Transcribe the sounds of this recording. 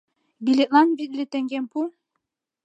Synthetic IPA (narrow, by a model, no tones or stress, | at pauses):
bilʲet̪lˠɑnbit̪̚lʲit̪eŋɡɛnpʰu